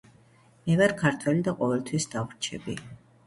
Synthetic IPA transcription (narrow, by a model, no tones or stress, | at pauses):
mɛvaɾkʰaɾt̪ʰwɛlid̪aqʼɔvɛlt̪ʰwisd̪avɾt͡ʃʰɛbḭ